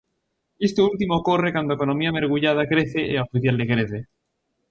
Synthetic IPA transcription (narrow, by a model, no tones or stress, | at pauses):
est̪oult̪imoːkorekand̪oekonõmiameɾɣuʎað̞akɾeθeʔeaofiθjald̪ekɾeθe